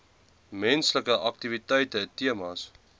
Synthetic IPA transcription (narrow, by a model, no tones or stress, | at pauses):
mɛnsləkəʔɐk̚tivitəjtətiəmɑs